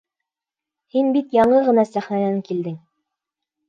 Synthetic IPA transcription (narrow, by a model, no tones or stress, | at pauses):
hinbit̪jɑɴɤʁɤ̆nɑsæχnænæŋkild̪ɘŋ